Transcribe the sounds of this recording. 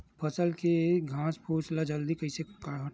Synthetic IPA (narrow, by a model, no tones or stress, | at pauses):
pʰəsəlkeɡʱãːspʰuːt͡ʃlad͡ʒəld̪ikəisekaɽɦə